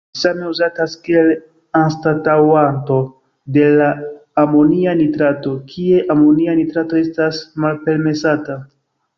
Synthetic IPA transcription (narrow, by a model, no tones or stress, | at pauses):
same̞uzataskie̞l | anstatawanto̞ | de̞laːmo̞nianitɾato̞kʰie̞ʔamo̞nianitɾato̞e̞stasmalpe̞lme̞sata